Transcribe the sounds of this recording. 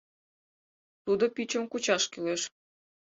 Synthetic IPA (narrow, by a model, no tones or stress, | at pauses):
t̪ud̪opit͡ɕə̆mkut͡ɕɑʃkyleʃ